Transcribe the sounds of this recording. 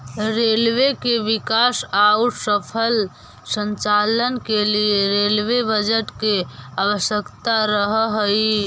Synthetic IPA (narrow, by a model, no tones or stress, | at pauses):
ɾelwekeʋikasauʈsəpʰəl | sə̃nt͡ʃalənkelieɾelwebəd͡ʒəʈkeawəsjəkt̪aɾəɦɦəi